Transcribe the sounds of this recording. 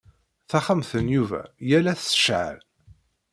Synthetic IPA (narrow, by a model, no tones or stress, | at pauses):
θæχəmθənjuvæ̰jælæθsə̥ʃʕə̰l